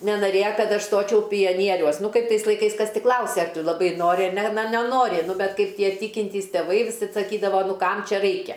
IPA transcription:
nʲɛnɐˈrʲeːjɛ ˈkɐt ˈɐʃ ˈstoːt͡ʃʲɛʊ pʲɪjɛˈnʲiɛrʲuɔs ˈnʊ ˈkɐɪp ˈtɐɪs lˠɐɪˈkɐɪs ˈkɐs ˈtʲɪ ˈklˠɐʊsʲɛ ɐr ˈtʊ lˠɐˈbɐɪ ˈnoːrʲɪ ɐr ˈnʲɛ nɐ nʲɛˈnoːrʲɪ ˈnʊ bʲɛt ˈkɐɪp ˈtʲiɛ ˈtʲiːkʲɪnʲtʲiːs tʲɛˈʋɐɪ ʋʲɪˈsɐt sɐˈkʲiːdɐʋɐ ˈnʊ ˈkɐm ˈt͡ʃʲɛ ˈrɐɪkʲɛ

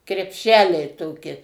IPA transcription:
krʲɛpʲˈʃʲæːlʲɛɪ ˈtoːkʲɪ

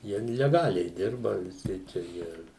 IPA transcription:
ˈjiɛ lʲɛˈɡɑːlʲɛɪ ˈdʲɪrbɐ ʋʲɪˈsʲɪ t͡ʃʲɛ ˈjiɛ

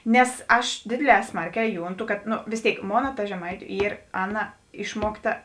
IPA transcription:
nʲɛs ˈɐʃ ˈdʲeːdʲeːˌlʲɛː ˈsmɐrʲˌkʲɛː ˈjʊnˌtʊ kɐt noː ʋʲeːs ˈtʲeːɪk ˈmoːnɐ tɐ ʒʲɛˈmɐɪtʲʊ ˈiːr ˈɑːˌnɐ ˈɪʃmuɔkˌtɐ

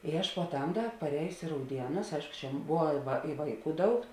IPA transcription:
ɪ ˈɐʃ puɔˈtɐm ˈdɐ pɐˈrʲɛːjʊsʲɪ ɪ rɐʊˈdʲiɛnʊs ˈɐɪʃkʊ t͡ʃʲɛ ˈbʊʋɐ ʋɐ ɪ ˈʋɐɪˌkuː ˈdɐʊk

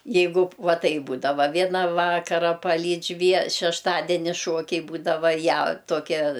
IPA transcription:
ˈjɛɪɡʊ ˈʋɐ ˈtɐɪp ˈbuːdɐʋɐ ˈʋʲiɛnɐ ˈʋɑːkɐrɐ pɐˈlʲiːt͡ʃʲ ʋʲiɛ ʃʲɛʃˈtɑːdʲɛnʲɪ ˈʃuɔkʲɛɪ ˈbuːdɐʋɐ ˈjæː tuɔˈkʲɛ

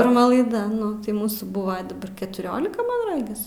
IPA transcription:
pʲɪrˈmɐ lˠɐɪˈdɐ ˈnʊ tɐɪ ˈmuːsuː ˈbʊʋɐ dɐˈbɐr kʲɛtʊˈroːlʲɪkɐ mɐn ˈrɑːɡʲɪs

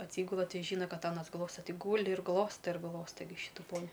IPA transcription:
ɐtʲˈsʲiːɡʊlˠɐ ˈtʲɪ ˈʒʲiːnɐ ˈkɐt ˈɑːnɐs ˈɡlˠoːstɐ ˈtʲɪ ˈɡuːlʲɪ ɪr ˈɡlˠoːstɐ ɪr ˈɡlˠoːstɐ ɡʲɪ ˈʃʲiːtʊ ˈpoːnʲɪ

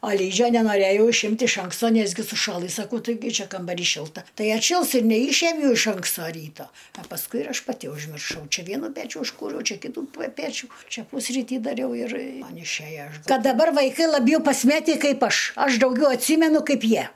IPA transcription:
ɐ ˈlʲiːd͡ʒʲoː nʲɛnoːˈrʲeːjɛʊ ɪʃʲˈɪmʲtʲ ɪʃ ˈɐŋkstoː ˈnʲæːzʲɡʲɪ sʊˈʃɑːlˠɨ sɐˈkɐʊ tɐɪˈɡʲɪ ˈt͡ʃʲɛ kɐmbɐˈrʲiː ˈʃʲɪlˠtɐ ˈtɐɪ ɐtʲˈʃʲɪlˠs ɪr nʲɛˈiːʃʲiɛmʲɛʊ ɪʃ ˈɐŋkstoː ˈrʲiːtoː ɐ pɐsˈkʊɪ ɪr ˈɐʃ pɐˈtʲɪ ʊʒʲmʲɪrˈʃɐʊ ˈt͡ʃʲɛ ˈʋʲiɛnʊ ˈpʲæːt͡ʃʲʊ ʊʃˈkuːrʲɛʊ ˈt͡ʃʲɛ ˈkʲiːtʊ pɐ ˈpʲæːt͡ʃʲʊ ˈt͡ʃʲɛ ˈpʊsʲrʲiːtʲiː dɐˈrʲɛʊ ɪr ˈmɐn ɪʃʲˈæjɛ ˈkɐt dɐˈbɐr ʋɐɪˈkɐɪ lˠɐˈbʲjɛʊ pɐsʲˈmʲæːtʲiː ˈkɐɪp ˈɐʃ ˈɐʃ dɐʊˈɡʲɛʊ ɐtʲˈsʲiːmʲɛnʊ ˈkɐɪp ˈjiɛ

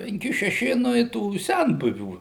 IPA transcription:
pʲɛŋʲˈkʲɪ ʃʲɛˈʃʲɪ ˈnʊ ɪ tuː ˈsʲɛnbʊʋʲuː

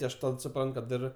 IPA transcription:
ˈtʲɪ ɐʃ ˈtɐt sʊˈprɐnt kɐt ˈɪr

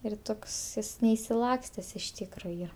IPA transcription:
ɪr ˈtoːks ˈjɪs nʲɛɪʃʲsʲɪˈlˠɑːksʲtʲɛs ɪʃ ˈtʲiːkroː ˈiːrɐ

